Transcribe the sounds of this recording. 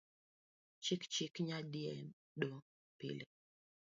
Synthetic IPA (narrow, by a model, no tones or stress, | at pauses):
t͡ʃikt͡ʃikɲadiɛ | do | pḭle